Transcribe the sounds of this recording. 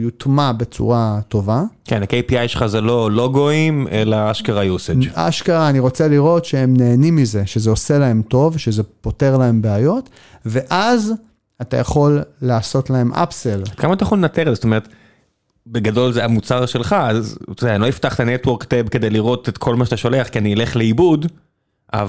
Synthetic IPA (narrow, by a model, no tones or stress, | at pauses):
jut̪mabe̞t͡sṵʁato̞vakenakejpiajʃelχazelo̞lo̞ɡoimelaaʃkaʁajused͡ʒa̰ʃkaʁaːniʁo̞t͡seliʁo̞tʃee̞mneːnimize̞ʃezeose̞lae̞mto̞vʃeze̞po̞te̞ʁlae̞mbeajo̞t | ve̞ʔaz | atajaχo̞lːaːso̞t̪lahe̞mʔa̰pselad̪̥̚kamat̪ajaolenat̪eʁzesot̪omeet̪ | beɡado̞lzeamut͡saʁʃelχaazt̪odɛaniloift̪aχt̪anetwo̞ʁkt̪ebke̞d̪ejliʁo̞t̪et̪kʰo̞lmaʃat̪aʃo̞leaχkianieleχleibud | ʔa̰v